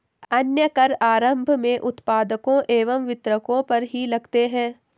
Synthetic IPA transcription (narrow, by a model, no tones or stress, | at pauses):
ɐnjəkɐɾaːɾə̃mbʱmẽʔʊt̪paːd̪əkõʔeːʋəmʋɪt̪ɾəkõpɐɾɦilɐɡt̪eɦɛ̃ː